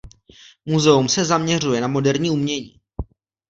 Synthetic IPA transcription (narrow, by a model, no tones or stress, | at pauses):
muzɛumsɛzamɲɛr̝ujɛnamo̞dɛɾɲiːumɲɛɲiː